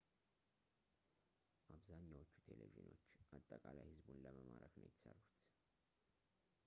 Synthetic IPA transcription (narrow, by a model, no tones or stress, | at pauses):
ʔaβzaɲːawot͡ʃːu̥t̪ʰe̞leviʒno̞t͡ʃːʔat̪ʼːəkʼalajhɨzbunləməmaɾəknəjɪt̪ʰːə̥sərːut̪